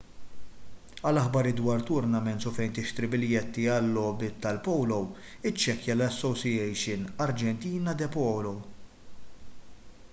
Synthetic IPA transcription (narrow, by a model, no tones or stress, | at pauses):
ɐlɐħbɐɾɪd̪wɐːɾt̪ʊɾnɐmɛnt̪sufɛjnt̪ɪʃt̪ɾɪbɪljɛt̪ːiɐlːɔːbɪt̪ːɐlpɔwlɔw | ɪt͡ʃːɛkjɐlɐsːɔsiɛjʃɪnɐɾd͡ʒɛnt̪iːnɐd̪ɛpɔːlɔw